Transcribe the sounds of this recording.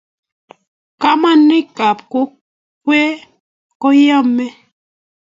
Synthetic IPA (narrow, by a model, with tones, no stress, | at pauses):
ka˦ma˦nːi˦ka˨p̚ko˦ | k̚we˦ | kɔ˦ja˦mːɛ˦